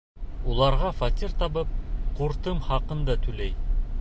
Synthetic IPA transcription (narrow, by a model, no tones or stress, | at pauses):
ulˠɑɾʁɑfɑt̪ʲiɾt̪ɑβɤp̚quɾt̪ɤmχɑqɤ̆nd̪ɑt̪ʰʉlæj